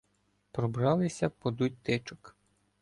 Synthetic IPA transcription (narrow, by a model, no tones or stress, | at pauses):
pɾɔbɾɑlˠɪsʲɐpɔd̪utʲt̪ɪt͡ʃɔk